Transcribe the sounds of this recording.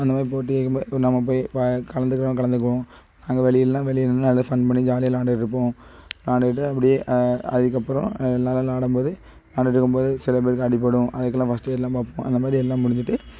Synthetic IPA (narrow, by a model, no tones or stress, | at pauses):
ɐnd̪ɐmaːðɾipoːʈ̬ːɯeːkːɯnɐmːɐpoːjkɐlɐnd̪ɯkːɾɐʋ̃kɐɭɐnd̪ɯk̬ːɐʋõ | naːŋɡɐʋɛɭɪjɪllãːʋɛlɪjɪnnɐlːɐðɯfɐɳɖpɐɳːid͡ʒaːlɪjɐlaːɳɖɐʈɪɾɯpːõːlaːɳɖɐʈ̬ːɯɐpːɐɽɪjeːʔɐ̰ðɪkːɐpːɯɾõ̰lːaːlɐ̃laːɽɯmpoːðɯ | naːɳɖɪʈːɾɯkːɯmpoːðɯsɪlɐp̬eːɾɯkːɯɐɽɪpːɐɽʊ̃ʔɐðɐk̬ːɯlːãːfɐsʈeːlːãːpaːpːõɐ̰nd̪ɐmaːd̪ɾiɛlːãːmʊɽɪɲd͡ʒɪʈːɯ